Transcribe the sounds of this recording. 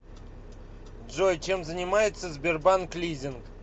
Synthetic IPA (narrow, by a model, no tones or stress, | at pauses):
dʐojt͡ɕe̞mzənʲɪmajɪt̪səzʲbʲerbanklʲizʲɪnk